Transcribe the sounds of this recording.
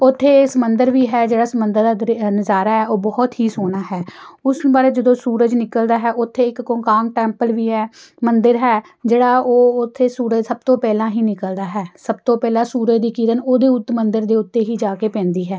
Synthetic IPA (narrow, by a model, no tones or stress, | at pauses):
ot̪ʰːeːsəmənd̪əɾʋiːɦɛːd͡ʒeːɽaːsəmənd̪əɾd̪aːɾnəzaːɾaːɦɛːoːbɔːt̪ɦiːsoːnaːɦɛːʊsbaːɾeːd͡ʒəd̪õːsuːɾəd͡ʒnɪkəld̪aːɦɛːʔʊt̪ʰːeːɪkːoːkaːŋɡʈɛːmpəlʋiːɦɛːmənd̪əɾɦɛː | d͡ʒeːɽaːoːʊt̪ʰːeːsuːɾəd͡ʒsəb̚t̪õːpɛːlãːɦiːnɪkəld̪aːɦɛːsəb̚t̪õːpɛːlãːsuːɾəd̪iːkiːɾənoːd̪eːʊt̪ːmənd̪əɾd̪eːʊt̪ːeːɦiːd͡ʒaːkeːpɛ̃ːnd̪iːɦɛː